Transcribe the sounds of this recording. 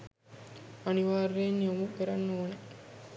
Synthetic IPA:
ɐniʋaːɾːeːnːiomupeɾɐnːuːne

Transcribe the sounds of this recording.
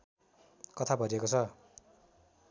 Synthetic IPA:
kʌt̪ʰabʱʌɾiekot͡sʰʌ

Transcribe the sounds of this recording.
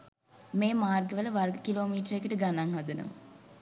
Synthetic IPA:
meːmaːrɡəʋələʋarɡəkiloːmiːʈəɾekəʈəɡanaŋɦad̪ənə̰m

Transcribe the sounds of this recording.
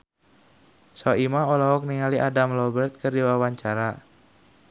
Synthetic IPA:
sɔimaɔlaɦɔk̚niŋaliʔadamlɔbərt̪̚kɨrdiwawaɲt͡ʃaɾa

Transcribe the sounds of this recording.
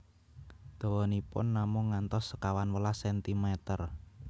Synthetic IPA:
d̪̥o̤wɔnipʊ̰nːamʊŋːant̪ɔsːəkawanwəlasɛnt̪imɛt̪ər

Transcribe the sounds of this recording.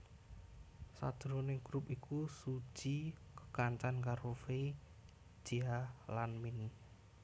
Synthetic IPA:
sa̰d̪̥ɾonɪŋɡɾupikusu̥d͡ʒ̥ikə̥kaɲt͡ʃankaɾofei̥ | d͡ʒ̥ialanmɪn

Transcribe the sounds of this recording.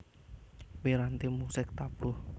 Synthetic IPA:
beɾant̪imusɪk̚t̪ab̥ʊh

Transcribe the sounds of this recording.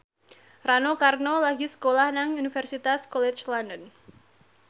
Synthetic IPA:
ranokarnolaɡisə̥kolahnaŋunifɛrsit̪askɔlɛt͡ʃlandən

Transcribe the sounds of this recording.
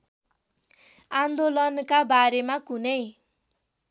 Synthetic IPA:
and̪olʌnkabaɾemakunʌj

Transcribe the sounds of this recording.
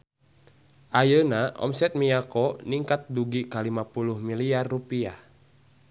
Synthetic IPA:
ʔajənaʔɔ̰msɛt̪̚miakɔniŋkat̪̚duɡikalimapuluhmiliarːupia̰

